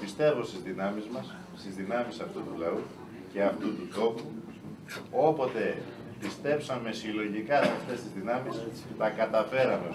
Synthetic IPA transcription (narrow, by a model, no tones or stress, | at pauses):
pist̪e̞vo̞st̪izðinɐmizmɐs | st̪izðinɐmisɐft̪ut̪ulɐu | ce̞ɐft̪ut̪ut̪o̞pu | o̞po̞t̪e̞ | pist̪e̞psɐme̞silo̞ʝikɐsɐft̪e̞st̪izðinɐmis | t̪ɐkɐt̪ɐfe̞ɾɐme